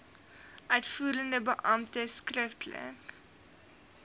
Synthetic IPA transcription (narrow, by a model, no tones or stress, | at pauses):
ʔœɥtfuːɾəndəbəʔɐmtəskrəftlə̰k